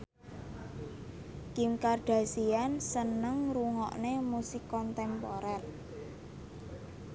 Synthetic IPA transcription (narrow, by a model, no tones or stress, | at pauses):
kimkarɖ̥a̤siansənəŋɾuŋɔ̰ʔnemusɪkːɔnt̪ɛmpoɾɛr